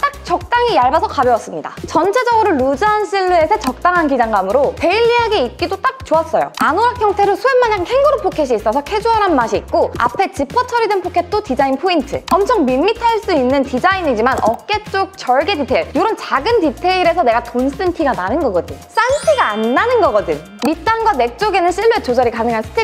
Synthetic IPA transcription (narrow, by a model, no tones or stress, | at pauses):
t͈ak̚t͡ɕʌk̚t͈aŋijaɭbasʰʌkabjʌas͈ɯmɲida̰t͡ɕʌnt͡ɕʰed͡ʑʌɡɯɾoɭːud͡ʑaanɕ͈ʰiɭːue̞sʰet͡ɕʌk̚t͈aŋɦankid͡ʑaŋɡamɯɾote̞iʎːiɦaɡeit̚k͈idot͈ak̚t͡ɕoʌs͈ʌjo̰anoɾakʰjʌŋtʰe̞ɾɯɭsʰuemaɲaŋhʰeŋɡɯɾopʰokʰeɕ̬ʰiːs͈ʌsʰʌkʰe̞d͡ʑuaɾɦanmaɕʰiːt̚k͈oa̰pʰe̞t͡ɕipʰʌt͡ɕʰʌɾidenpʰokʰe̞t͈otid͡ʑainpʰointʰɯʌmt͡ɕʰʌŋmimːitʰaɭs͈uinːɯntid͡ʑainid͡ʑimanʌk̚k͈e̞t͡ɕ͈ok̚t͡ɕʌɭɡe̞titʰeiɭjoɾʌnt͡ɕaɡɯntitʰe̞iɾe̞sʰʌne̞ɡatons͈ɯnpʰiɡananɯnɡʌɡʌdɯɲs͈anpʰiɡaːnːanɯnɡʌɡʌdɯn | mit͈anɡwane̞k̚t͡ɕ͈oɡe̞nɯnɕʰiɭːue̞t͡ɕod͡ʑʌɾikanɯŋɦansʰɯ̥tʰe